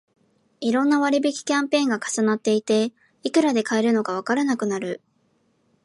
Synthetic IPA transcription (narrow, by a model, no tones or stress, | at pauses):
iɾõ̞nːaβaɾʲibikʲi̥kʲãmpẽ̞ːŋɡakḁsanat̪ːe̞it̪e̞ | ikɯ̟ɾad̪e̞kae̞ɾɯ̟no̞ɡaβ̞akaɾanakɯ̟naɾɯ̟